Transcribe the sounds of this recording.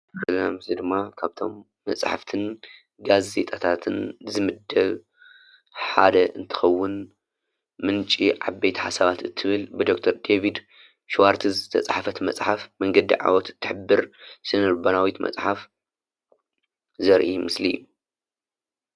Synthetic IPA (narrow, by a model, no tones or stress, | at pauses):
lnamɨslid̪ɨmːakʰaβt̪ʰo̞̰mː | ɐ̰sʼħa̰ft̪ʰɨn | ɡaze̞t̪ʼat̪ʰat̪ʰɨnzɨmɨd̪ːɐβ | ħa̰d̪ɐʔɨnt̪ʰɨ̥xɐwːʊn | mɨnt͡ʃʼiʕabːejt̪ʰħasaβat̪ɨt̪ʰːɨβɨlbɨd̪o̞k̚t̪ʰɐɾd̪evid̪ | ʃwaɾt̪ʰɨzɨt̪ʰɐ̰t͡sʼħafɐt̪mɐt͡sʼħafmɐŋɡɐd̪ḭʕa̰wɔt̪ɨt̪ʰːɨħɨbːɨɾsɨnɨɾbɐnawit̪mʔɐ̰t͡sʼħaf | zɐɾʔimɨslḭjːu